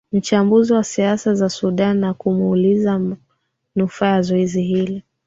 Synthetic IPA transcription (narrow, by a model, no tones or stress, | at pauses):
m̩t͡ʃambuziwasiasazasuɗanːakumuliza | nufaazɔiziɦili